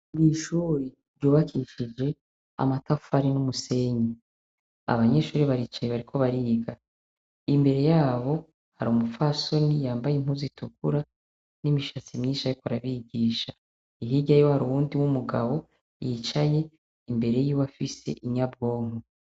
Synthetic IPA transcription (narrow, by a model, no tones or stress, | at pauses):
miʃuːɾe | ɾɟuːβakʰiʃid͡ʒe̞ | a̰matafhaɾinumuse̞ɲi | a̰βaɲe̞ʃuːɾeβaɾiːt͡ʃaje̞βaɾikʰo̞βaɾiːɡa | imbe̞ɾe̞jaːβo̞ | ha̰ɾumufaso̞nijaːmbajem̥huzitʰukuɾa | nimiʃat͡simɲiːnʃajokoɾaβiɟiːʃa | iɦiɟajohaɾuβuːndiwumuɡaβo̞ | jit͡ʃaje̞ | imbe̞ɾe̞jiwafise̞̰ʔiɲab̚ɡo̞ːŋo